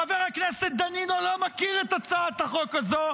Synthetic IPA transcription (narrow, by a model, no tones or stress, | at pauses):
aveʁakneset̪̚d̪aninolomakiʁet̪at͡saat̪aχokazo